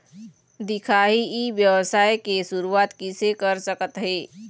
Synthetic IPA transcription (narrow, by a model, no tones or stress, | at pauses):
d̪ikʰaɦiiʋjəwəsajkesuɾuat̪kisekəɾsəkət̪ɦe